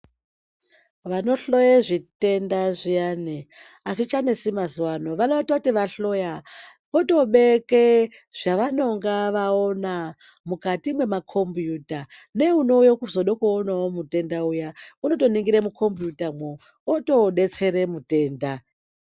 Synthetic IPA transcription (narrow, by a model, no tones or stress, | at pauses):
ʋano̞ɬo̞jeʐite̞ndaʐijane | asit͡ʃanesimazuwano̞ʋanototiʋaɬo̞ja | koto̞ɓeke | ʐ̥aʋano̞ŋɡaʋaona | mukatimwe̞makʰo̞mbjutane̞uno̞ujokuzo̞ɗokuonaomute̞ndaujauno̞to̞niŋɡiɾemukʰo̞mbjutamwo | oto̞ɗe̞t͡se̞ɾemute̞ːnda